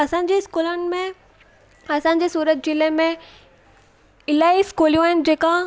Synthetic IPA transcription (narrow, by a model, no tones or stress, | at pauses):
ɐsãɲ̆d͡ʑeskuːlənɪ̆mẽ | ɐsãɲd͡ʑeːsuːɾət̪̚d͡ʑɪlẽmẽ | ɪlaːiskuːlijũaɦɪnɪ̆d͡ʑeːka